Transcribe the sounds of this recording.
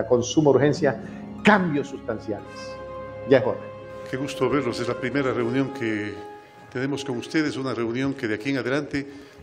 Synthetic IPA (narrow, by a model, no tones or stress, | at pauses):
ako̞nsumouɾxensja | kambjosːust̪ansjales | ʝaezβona | keɣust̪oβe̞ɾlosezlapɾimeɾare̞unjo̞ŋkʰe | t̪ene̞mo̞sko̞ŋust̪eðesunareunjõ̞ŋkeðeakieŋaðelant̪e